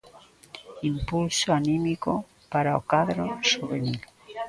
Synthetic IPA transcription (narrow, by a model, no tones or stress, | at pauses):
impulsoanĩmiko | paɾaokaðɾosuβ̞enil